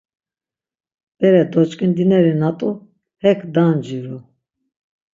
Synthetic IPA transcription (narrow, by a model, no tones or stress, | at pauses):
b̥ɛɾɛd̪ɔt͡ʃkʼind̪inɛɾinat̪ʼu | hɛkʰd̪and͡ʒiɾu